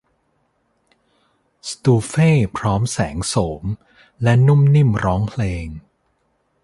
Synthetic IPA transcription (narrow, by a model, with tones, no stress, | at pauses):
st̪uː˧feː˥˩pʰɾɔː˦˥msɛː˩˦ŋsoː˩˦m | lɛ˦˥nu˥˩mni˥˩mɾɔː˦˥ŋpʰleː˧ŋ